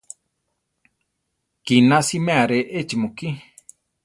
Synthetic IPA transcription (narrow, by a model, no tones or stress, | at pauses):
kinasimẽaɾeʔet͡ʃimuki